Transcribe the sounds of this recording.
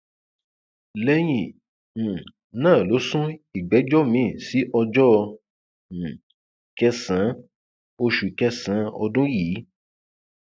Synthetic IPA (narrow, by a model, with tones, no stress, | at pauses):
lɛ˧˦j̃ĩ˨ | nãː˦˨lo˨˦sũ˦i˨ɡ͡bɛ˨˦d͡ʒɔ˦mĩ˨˦˨si˨˦ʔɔ˧d͡ʒɔ˦˧˨ | kɛ˧sã˨˦ | o˧ʃu˨kɛ˧sã˨˦ɔ̰˧dũ˦jiː˨˦